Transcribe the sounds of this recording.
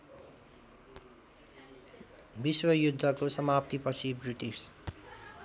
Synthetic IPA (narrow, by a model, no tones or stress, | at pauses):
biswʌjud̪ʱːʌkosʌmap̚t̪ipʌt͡sʰibruʈis